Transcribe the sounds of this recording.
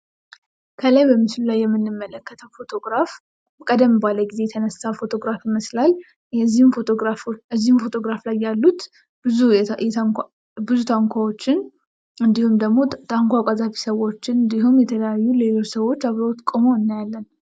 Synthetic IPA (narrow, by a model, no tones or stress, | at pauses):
kʰəlajbəmɨslulajːɛmːɨnːɨmːələkːət̪ʰəwfo̞t̪ʰo̞ɡɾaf | kʼəd̪əmːɨbaləɡize̞t̪ʰənəsafo̞t̪ʰo̞ɡɾafiməslal | ɛzːihmfot̪ʰoɡɾafɨzːihmfo̞t̪ʰo̞ɡɾaflajːalːut̪ | bɨzuɛ | bɨzut̪ʰaŋkʷʰawot͡ʃːɪn | ɨnd̪ihumd̪əɡmo̞t̪ʰaŋkʷʰakʼazafi̥səwo̞t͡ʃːɪnɨnd̪iɦumjɛt̪ʰələjajːule̞lo̞t͡ʃsəwo̞t͡ʃːaβɾot̪kʼomoɨnːajalːən